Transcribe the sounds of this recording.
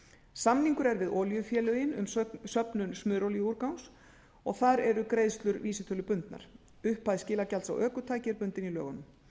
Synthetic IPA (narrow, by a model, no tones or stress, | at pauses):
samniŋkʏɾɛɾvɪðɔːljʏfjɛːlʏjɪnʏ̰msœpnʏnsmʏːɾowljʏuɾkawns | ɔɣθaɾɛɾʏkɾeːjðst̪lʏɾviːsɪt̪ʰœlʏpʏnt̪na̰ɾ̥ | ʏhpːaðscɪːlacalsa̰wʔœːkʏt̪ʰaːjcɪɾpʏnt̪ɪnilœ̰ːɣanʏm